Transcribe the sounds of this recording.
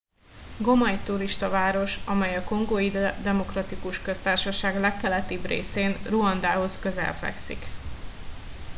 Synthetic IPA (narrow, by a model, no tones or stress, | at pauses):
ɡo̞mɒjt̪uɾiʃt̪ɒvaːɾo̞ʃɒmɛjɒko̞ŋɡoid̪ɛmo̞krɒt̪ikuʃkøst̪aːrʃɒʃaːɡlɛkːɛlɛt̪ibrḛːseːnruɒnd̪aːɦo̞skøzɛ̰lfɛ̰ksḭk